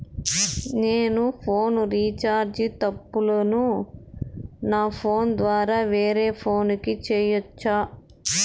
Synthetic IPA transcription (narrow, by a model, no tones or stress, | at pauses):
neːnupʰoːnɾiːt͡ʃaːɾd͡ʒit̪ɐpːulɐnu | naːpʰo̞ːnd̪ʋaːɾaːʋeːɾeːpʰo̞ːnikit͡ʃeːjɔt͡ʃːaː